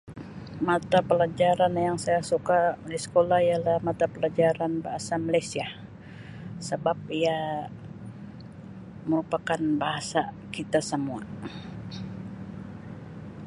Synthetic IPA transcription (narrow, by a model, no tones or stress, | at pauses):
mat̪apəlad͡ʒaɾanjaŋsajasukadisə̥kolahijalahmat̪apəlad͡ʒaɾanbaɦasamalajsia | səbap̚ia | məɾupakanbaɦasa | kit̪asəmua̰